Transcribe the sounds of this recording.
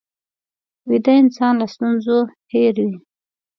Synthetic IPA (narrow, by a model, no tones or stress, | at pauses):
wid̪aɪnsɑnlast̪unzoheɾwi